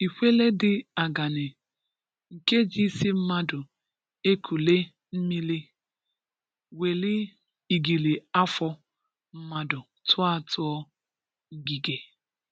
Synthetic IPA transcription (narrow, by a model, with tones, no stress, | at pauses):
i˨hʷe˦le˦dɪ˨a˨ɡa˨nɪ˨ | ŋ̩˨ke˦d͡ʒi˦si˦m̩˦ma˦dʊ˨ | e˦kʰu˨le˦ | m̩˦mi˦li˦ | we˨lɪ˦ | i˨ɡi˨li˨a˦fɔ˦ | m̩˦ma˦dʊ˨ | tʊ˦a˦tʰʊ˦ɔ˦ | ŋ̩˦ɡi˨ɡe˨